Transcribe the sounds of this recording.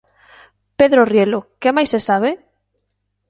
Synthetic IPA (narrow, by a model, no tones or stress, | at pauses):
peðɾorjelokemajsesaβ̞e